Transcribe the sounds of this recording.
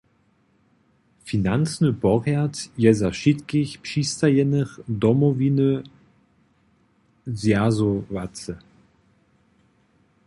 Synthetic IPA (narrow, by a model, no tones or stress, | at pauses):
finant͡snəbɔʁɛɐtjɛzaʃitkɪçpʃistɐjɛnəχdɔmɔvinə | zjazovat͡sə